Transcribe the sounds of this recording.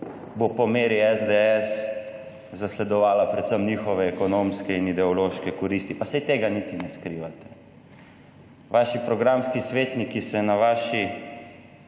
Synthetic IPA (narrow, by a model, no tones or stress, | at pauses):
bopɔmeːɾiɛzd̪eɛs | zaslɛd̪ɔʋaːlapɾɛt̪səmnixɔʋɛːkɔnomskɛinid̪ɛɔloːʃkɛkɔɾist̪ipasɛjt̪eːɡanit̪inɛskɾiʋat̪ɛ̥ | ʋaʃipɾɔɡɾamskisʋeːt̪nikisɛnaʋaːʃi